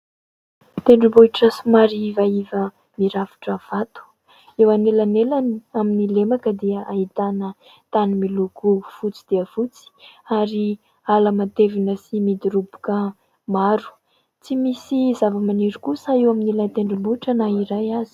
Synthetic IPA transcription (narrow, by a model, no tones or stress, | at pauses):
t̪eɳɖ͡ʐubuiʈ͡ʂəsimaɾivaivə | miɾafi̥ʈ͡ʂəv̥at̪u̥ | ewanelanelaniaminilemakəd̪eəait̪anə | t̪animiluɡufut͡sid̪̥iəfut͡si̥aɾi | aləmat̪evinəsimid̪uɾubu̥kə | maɾu̥ | t͡simisizavəmaniɾukusaewaminelant̪eɳɖ͡ʐubuiʈ͡ʂənaiɾajazi̥